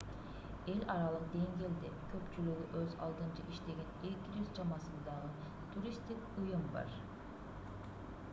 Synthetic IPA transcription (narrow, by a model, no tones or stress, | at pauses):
e̞lʲɑɾɑlˠɯqd̪e̞ŋɡʲeːld̪ekʲʰø̞pt͡ʃylyɡʲyʔøzɑ̰lˠd̪ɯnt͡ʃɯʔiʃt̪e̞ɡʲe̞nekʲiɾyzd͡ʒɑmɑsɯnd̪ɑʁə | t̪ʰuɾʲist̪ikujɯmbɑ̰ɾ